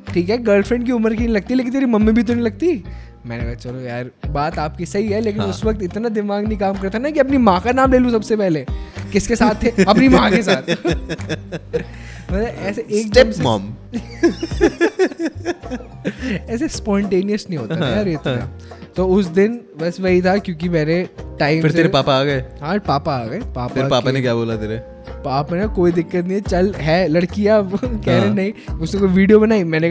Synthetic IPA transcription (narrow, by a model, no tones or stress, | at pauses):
ʈʰiːkɦɛɡɐːɾlfɾɛ̃ɳɖk̬iʊməɾk̬inĩlɐɡ̚t̪iɛleːkɪnt̪eːɾimɐmːibʱit̪̬onĩlɐɡ̚t̪i | mɛ̰̃ːnḛkaɦt͡ʃɐloja̰ːɾbaːt̪aːp̚kisɐɦiɦɛleːk̬ɪnʊsʋɐk̚t̪ɪt̪nad̪ɪmaːɡnɐĩkaːmkɐɾt̪anakiɐpnimãːkanaːmleːlũsɐbsepɛɦlekɪskesaːt̪ʰːeɐpnimãːkes̬aːt̪ʰ | ʋɐd̪aʔɛːseʔeːkdema̰ːm | ɛːs̬espɔ̃ːɳʈeːnijəsnɐɦĩɦoːt̪aɦjaːɾeːt̪ːat̪oːʊsd̪ɪnʋɐsʋɐɦit̪ʰakjõːk̬imɛ̃ːneʈaːɪ̃mfɪɾt̪eːɾepaːpaaːɡɐeɦãpaːpaaːɡɐepaːpaɪɾpaːanekjaːboːlat̪eːɾe | paaːpmanekoːid̪ɪkːət̪nĩt͡ʃɐlɦɛːlɐɽkijakɛɦɾenɐɦĩʊsnekoːiʋiːɖijobɐnaːimɛ̃ːne